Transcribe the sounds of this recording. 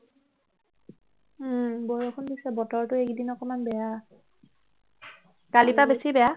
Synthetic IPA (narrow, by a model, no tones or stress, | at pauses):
bojɔkʰundisɛbɔtɔɹtʊekdinɔkɔmanbɛja | kalipabesibɛja